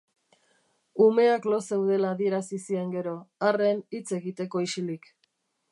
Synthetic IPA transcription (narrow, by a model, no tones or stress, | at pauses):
ume̞aklo̞se̞wðe̞laːðie̞ɾasisie̞ŋɡe̞ɾo̞are̞nit͡se̞ɣit̪e̞ko̞isilik